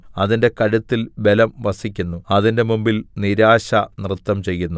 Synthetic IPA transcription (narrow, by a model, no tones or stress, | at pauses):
ɐðinde̞kɐɻut̪ːilbe̞lɐmʋɐsikʲːunːuɐðinde̞mumbilniɾaːɕɐnrɨt̪ːɐmt͡ɕe̞jːunːu